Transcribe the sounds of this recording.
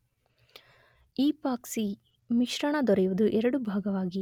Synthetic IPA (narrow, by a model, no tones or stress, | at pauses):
iːpaːksi | miʃɾɐɳɐd̪ɔɾɛjuʋud̪uʔɛɾɐɽubʱaːɡɐʋaːɡi